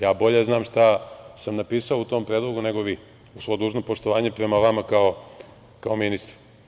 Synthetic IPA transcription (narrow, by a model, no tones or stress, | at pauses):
jaːbo̞ʎeznaːmʂt̪asamnapiːsaout̪o̞ːmpɾeːd̪lˠo̞ɡuneɡoʋi | usʋo̞d̪uːʒnopo̞ʃt̪oʋaːɲepɾe̞maʋamakao | kao̞minist̪ɾ